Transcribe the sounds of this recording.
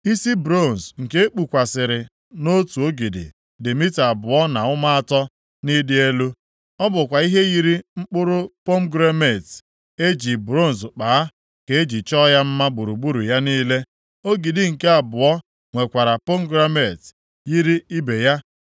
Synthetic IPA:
i˦si˦bɾo˦˨n̩˨sŋ̩˨ke˦e˦k͡pu˨kʷa˨sɪ˨ɾɪ˨ | no˦tu˨o˦ɡi˨dḭ˨ | dɪ˨mi˦ta˨bʊ˨ɔ˦na˨ʊ˦ma˦a˦tɔ˦ | ni˦dɪ˦e˦lu˦ | ɔ˦bʊ˨kʷa˨i˦ɦe˦ɣi˦ɾi˦ŋ͡m̩˦k͡pʊ˦ɾʊ˦po˦m̩ɡɾe˦me˨t | e˦d͡ʒi˨bɾo˦˨n˨sk͡paː˨a˦ | ke˨e˦d͡ʒi˨t͡ʃɔ˦ja˦m̩˦ma˦bu˨ɾu˨bu˦ɾu˨ja˦niː˦le˦ | o˦ɡi˨di˨ŋ̩˨ke˦a˨bʊ˨ɔ˦ | ŋʷe˨kʷa˨ɾa˨po˦m̩˦ɡɾa˦me˨t | ji˦ɾi˦i˦be˨ja˦

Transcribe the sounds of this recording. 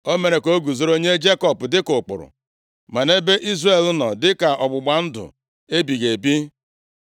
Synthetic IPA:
o˦me˨ɾe˨ko˦ɡu˨zo˦ɾo˦ɲe˦d͡ʒe˦kɔ˨pdɪ˦kʊ˨k͡pʊ̰˨ɾʊ̰˨ | ma˨ne˦be˦ʔi˦zre˨l̩˦nɔ˨dɪ˦ka˨ʔɔ˨ɡ͡bʊ˨ɡ͡ba˨n̩˦dʊ̰˨ | e˦bi˨ɣe˨bi˦

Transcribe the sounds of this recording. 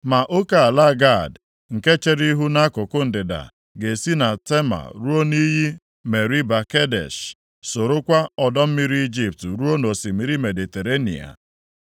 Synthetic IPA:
ma˨ʔo˦ka˦˨a˨la˦˨ɡa˦˨d | ŋ̩˨ke˦t͡ʃe˦ɾi˦ɦu˦na˦kʊ˨kʊ˦n̩˨dɪ˨da̰˨ | ɡe˨si˦na˨te˦ma̰˨ɾu˦o˦ni˦ɦi˦ | me˨ɾi˦ba˨ke˦dḛ˨ʃ | so˨ɾo˦kʷa˦ɔ˨dɔ˦m̩˦mi˦ɾi˦i˦d͡ʒi˦p̚tɾu˦o˦no˨si˨mi˨ɾi˦me˨di˨te˨ɾe˦nḭ˨a̰˨

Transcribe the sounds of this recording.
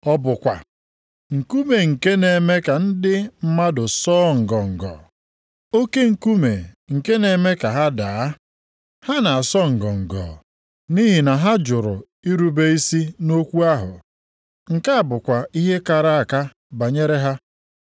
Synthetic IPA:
ɔ˦bʊ˨kʷa˨ | ŋ̩˨ku˦me˨ŋ̩˨ke˦ne˨me˦ka˨n̩˦dɪ˦m̩˦ma˦dʊ˨sɔː˦ŋ̩˨ɡɔ˨ŋ̩˨ɡɔ̰˨ | o˦ke˦ŋ̩˨ku˦me˨ŋ̩˨ke˦ne˨me˦ka˨ɦa˦da˨˦ | ha˦na˨sɔ˦ŋ̩˨ɡɔ˨ŋ̩˨ɡɔ̰˨ | ni˦ɦi˨na˨ɦa˦d͡ʒʊ˨ɾʊ˨ | i˦ɾu˦be˦i˦si˦no˦kʷu˦a˦ɦʊ̰˨ | ŋ̩˨ka˦a˨bʊ˨kʷa˨i˦ɦe˦ka˨ɾa˦˨a˨ka˦ | ba˨ɲe˦ɾe˦ɦa˦

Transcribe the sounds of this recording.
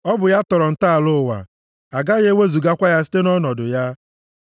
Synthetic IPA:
ɔ˦bʊ˨ja˦tɔ˨ɾɔ˨n̩˨ta˦a˨lʊ˦˨wa̰˨ | a˨ɡa˦ɣe˦we˦zu˨ɡa˦kʷa˦ja˦s̬i̥˦te˦nɔ˦nɔ˨dʊ˨ja˦

